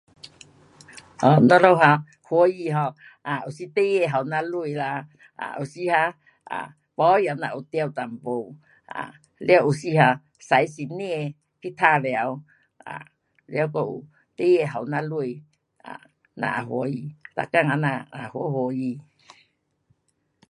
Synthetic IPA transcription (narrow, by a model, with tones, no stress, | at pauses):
ɔ˨nə̃˦lo˦wɦa˧ | ho˧˦ji˧ɦa˧ | a˨u˨si˦t̪e˦je˧ɦa˨wnã˧lu˦i˧la˧ | a̰˨u˨si˦ha˧ | a̰˨ | pɔ˦ja˧˨nã̰˧ʔu˧t̪ja˧wt̪a˨m˨bo˧˨ | a̰˨ | lja˧wʔu˨si˦ha˧ | sa˨jsi˧nĩ˦e˧ | ki˦t̪ʰa˦˧le˨a˧w | a̰˨ | lja˧wko˧ʔṵ˨ | t̪e˦je˧ɦa˨wna˧lu˦i˧ | a̰˨ | nã̰˧ʔa˨ɦwo˧˦ji˧t̪a̰˨ka˦ŋa˧nã˧a˨ho˧˦ho˧˦ji˧